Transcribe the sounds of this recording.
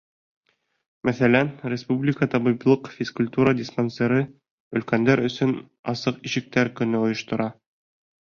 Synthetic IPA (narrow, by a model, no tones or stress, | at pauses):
mæθælænɾʲɪspublʲɪkət̪ɒbiblˠɤqfʲɪskulʲt̪uɾədʲɪspɐnseɾɤ | ɵ̆lkænd̪æɾɵ̆sɵn | ɑsɤqiʃɘ̆k̚t̪æɾkɵ̆nɵŏjŏʃt̪ŏɾɑ